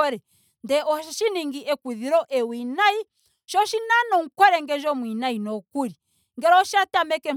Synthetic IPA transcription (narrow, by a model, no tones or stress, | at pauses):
ɔɾɛ | ndɛʔɔʃaʃiniŋɡiʔɛkwiðiɾɔʔɛwinai | ʃɔʃinanɔŋ̩kwɔɾɛŋɡɛnd͡ʒɔmwinainɔkuɾi | ŋɡɛɾɔʃatamɛkɛ